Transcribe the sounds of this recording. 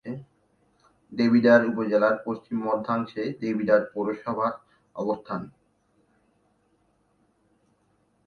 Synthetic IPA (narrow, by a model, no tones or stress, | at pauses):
ɖebʱiɖaɾupod͡ʑelaɾpost͡ɕimːɔd̪ʱaŋʃeɖebʱiɖaɾpoɾoʃɔbʱaɾ | ɔ̰bost̪ʰan